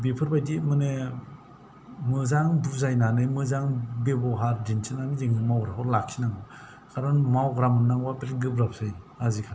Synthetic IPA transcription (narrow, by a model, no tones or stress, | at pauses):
bipʰɯɾbajdimɯne | mɯzaŋduzajnanɯjmɯzaŋbebɔɦaɾdinsʰɯnamizeŋɯmawɡɾaɔɾlak̚sinaŋba | kʰaɾɯnmawɡɾamɯnnːaŋbapetɡɯbɾap̚sɯj | azikʰa